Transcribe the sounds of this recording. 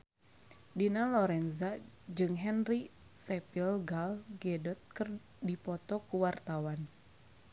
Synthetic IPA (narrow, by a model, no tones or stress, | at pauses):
dinalɔɾɛnza | d͡ʒɨŋɦɛnri | sɛpilɡalɡɛdɔt̪̚kər | dipɔt̪ɔkuwart̪awan